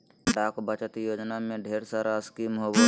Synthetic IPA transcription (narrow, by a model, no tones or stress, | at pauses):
ɖaːkbət͡ʃət̪joːd͡ʒnamẽɖʱeːɾsaːɾaskiːmɦoːbo